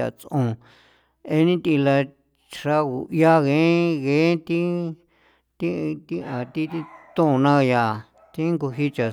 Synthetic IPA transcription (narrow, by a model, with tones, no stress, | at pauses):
a̰˨t͡sõ˧ | e˧nĩ˦t̪i˧la˧ | ʂa˦ɣu˨ja˦ɣẽ˨˦ɣẽ˨˦t̪i˦ | t̪i˦˧t̪i˦ã˨t̪i˦t̪i˧t̪ũ˦˨˧nã˦˧ja˧˨ | t̪i˦ŋɡu˧ɦi˦t͡ʃa˨